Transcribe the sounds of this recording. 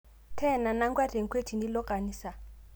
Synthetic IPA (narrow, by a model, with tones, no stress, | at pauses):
tʰɛ˦˨na˨na˦ŋɡwa˦dʱe˨ŋ˨kʰwe˦tʰi˨ndi˦lɔ˦kʼa˨niː˨sa˨